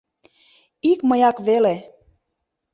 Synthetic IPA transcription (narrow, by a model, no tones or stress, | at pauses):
ikməjɑkβele